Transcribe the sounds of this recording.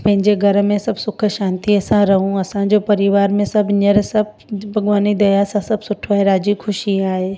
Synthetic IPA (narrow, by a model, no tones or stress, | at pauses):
pɐ̃ɦɪ̃ɲd͡ʒeɡʱɐɾmẽsɐbsʊkʰəʃãːnt̪iɐsãɾɐɦũɐsãd͡ʒopɐɾɪʋaːɾmẽsɐbnəɾsɐb̚ | bʱɐɡʋaːnid̪ɐjasãsɐbsʊʈʰaeɾaːd͡ʒiʊʃiaːɦe